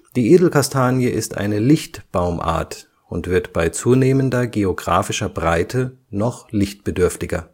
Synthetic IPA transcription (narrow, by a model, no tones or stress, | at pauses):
d̥iːʔeːdl̩kastʰaːnjəʔɪstʔa̰ɪnəlɪçtb̥aʊmʔa̰ːɐt | ʊntv̥ɪɐtb̥aɪt͡suːneːməndɐɡeoɡʁa̰ːfɪʃɐbʁaɪtʰənɔχlɪçt̚b̥ədʏɐftɪɡɐ